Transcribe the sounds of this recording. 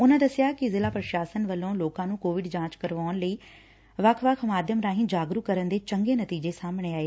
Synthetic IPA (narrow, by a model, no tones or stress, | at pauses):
ʊnãːd̪əsɪjaːkɪzɪlaːpɾəʃaːsənʋəlːõːloːkãːnũːkoːʋɪɖd͡ʒãːt͡ʃkəɾʋaːnləiː | ʋəkʰʋəkʰmaːd̪jəmɾaːɦɪ̃nd͡ʒaːɡɾuːkəɾənd̪eːt͡ʃəŋɡeːnət̪iːd͡ʒeːsaːmɳ̃eːaːeː